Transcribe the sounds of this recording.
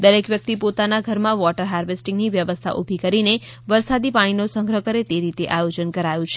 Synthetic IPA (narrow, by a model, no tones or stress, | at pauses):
d̪əɾekʋjək̚t̪ipot̪anaɡʱəɾmãʋɔʈəɾɦaɾʋesʈĩŋɡniʋjəʋəst̪ʰa̰ʔubʱikəɾine | ʋəɾsad̪ipaɽ̃inosə̃ŋɡʱɾəkəɾet̪eɾit̪eʔajod͡ʒənkəɾajũt͡ʃʰe̥